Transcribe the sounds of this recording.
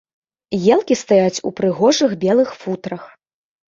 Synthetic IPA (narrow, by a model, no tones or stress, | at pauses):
jɛlˠkʲist̪ajat͡sʲṵpɾɨɣɔʐɨɣbʲɛlˠɨxfut̪ɾɐx